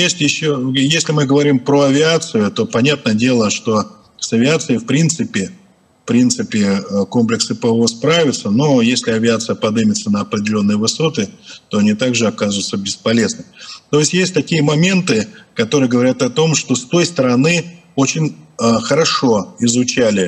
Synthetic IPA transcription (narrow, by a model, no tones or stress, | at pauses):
jesʲtʲjɪɕːojesʲlʲɪmɨɡəvɐɾʲimpɾoɐvʲɪat̪sɨjʊt̪o̞pɐnʲat̪̚nəjədʲe̞lˠəʂt̪o̞ | sɐvʲɪat̪sɨɪfpɾʲint̪sɨpʲɪ | fpɾʲint̪sɨpʲɪəko̞mplʲɪksɨpəvospɾavʲɪt̪səno̞jesʲlʲɪɐvʲɪat̪sɨjəpɐd̪ɨmʲɪt̪sənəɐpɾʲɪdʲɪlʲo̞nːɨjəvɨso̞t̪ɨt̪o̞ɐnʲit̪aɡʐɨɐkazʊt̪səbʲɪspɐlʲe̞znɨmʲt̪o̞ɪsʲtʲjesʲt̚ʲt̪ɐkʲijəmɐmʲe̞nt̪ɨkɐt̪o̞ɾɨjəɡəvɐɾʲat̪ɐt̪o̞mʂt̪o̞st̪o̞jst̪əɾɐnɨ | o̞t͡ɕɪnʲəxəɾɐʂo̞ɪzʊt͡ɕælʲɪ